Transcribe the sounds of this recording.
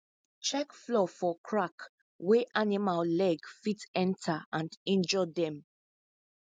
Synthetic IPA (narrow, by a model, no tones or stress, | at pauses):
t͡ʃɛkflɔfɔkʰɹak | weʔanimallɛɡfitɛ̃ntʰaãndĩnd͡ʒɔdɛ̃m